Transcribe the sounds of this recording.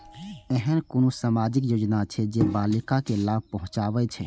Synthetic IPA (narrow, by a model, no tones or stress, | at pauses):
ɛɦənkonosamad͡ʒikjod͡ʒnat͡ʃʰɛd͡ʒebalikakelab̚ʱpəɦũt͡ʃabɛt͡ʃʰɛ̰